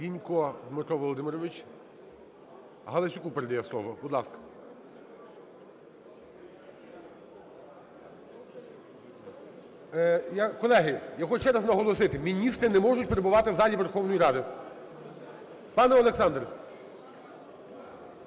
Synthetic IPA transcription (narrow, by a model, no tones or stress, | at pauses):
ʋʲinʲkɔd̪mɪt̪ɔʋɔlˠɔd̪ɪmɪɾɔʋɪt͡ʃ | ɦɐlˠet͡ʃʊkupeɾed̪ɐjɛslˠɔʋɔbud̪lˠɑskɐ̥ | jakɔlˠɛɦɪjɐɦɔʃt͡ʃɛɾɐznɐɦɔlˠɔsɪt̪ɪmʲinʲist̪ɾɪnɛmɔʐʊt̚ʲpeɾebʊʋɑt̪ɪwzɑlʲiʋerxɔwnɔjiɾɑd̪ɪ | pɑnɛɔlˠeksɑnd̪r